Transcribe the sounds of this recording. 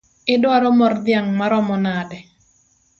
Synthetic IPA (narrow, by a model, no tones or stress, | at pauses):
ɪdwaɾɔmɔrd̪ɪjaŋmaɾɔmɔnadɛ